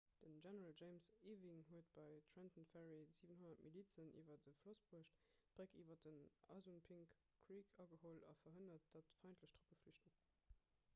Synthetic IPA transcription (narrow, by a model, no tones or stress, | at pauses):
d̥ənʒɛnəʁɑld͡ʒeɪmsiːviŋɦuət̚b̥ɑɪtʰɹɛntənfɛʁiziːvənɦonɐtmiliːt͡sənḭːvɐdəflosbuəʃtb̥ʁəkiːvɐdənɑ̰zunpʰiŋkː | ʁiːkʰɑɡəholɑ̰fɐɦənɐt̚d̥ɑtfɑɪntʰləʃd̥ʁopɡ̥əflyʃtun